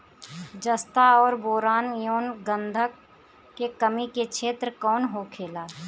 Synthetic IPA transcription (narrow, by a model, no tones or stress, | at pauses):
d͡ʒəst̪aɔːɾboːɾaːnjoːnɡə̃nd̪ʱək | kekəmikekʃʰeːt̪ɾkɔːnɦokʰeːlaː